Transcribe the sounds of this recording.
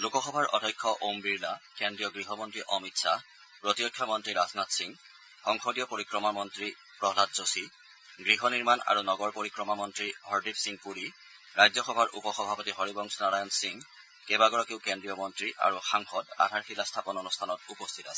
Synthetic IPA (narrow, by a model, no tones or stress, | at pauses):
lukɔxɔbʱaɹʔɔ̰dʱɔjkʰːɔʔombiɹlakendɹijɔɡɹiɦɔmɔntɹiʔɔmitsa | pɹotijɔtʰːɔmɔntɹiɹaznatsiŋ | xɔŋxɔdijɔpoɹikɹɔmamɔntɹi | pɹɔɦlat̚zosi | ɡɹiɦɔniɹmana̰ɹunɔɡɔɹpoɹikɹɔmamɔntɹihɔɹdipsiŋpuɹi | ɹajzɔxɔbʱaɹʔṵpɔxɔbʱapɔtiɦɔɹibɔŋsnaɹajɔnsiŋ | kebaɡɔɹɔkeʊkendɹijɔmɔntɹiʔa̰ɹuxaŋxɔda̰dʱaɹxilastʰapɔnɔnustʰanɔtupɔstʰita̰sɛ̥